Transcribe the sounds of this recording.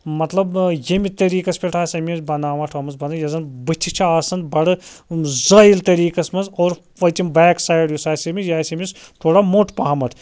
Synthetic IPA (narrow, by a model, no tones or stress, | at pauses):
mɐt̪lɐbjemit̪ɐɾiːkɐsʲpʲeʈʰaːsʲɐmʲibɐnaːʋɐʈʰɐmɐnzbɐnɐjɐzɐnbɨt͡ʃʰit͡ʃʰaaːsɐnd̪bɐɽɨzɐilt̪ɐɾiːkɐsmɐnzoːɾ | ʋɐt͡ʃʲimbaːksaːjɖjusaːsemijaːsɐmist̪ʰoːɽamoʈʰpɐɦɐmɐʈʰ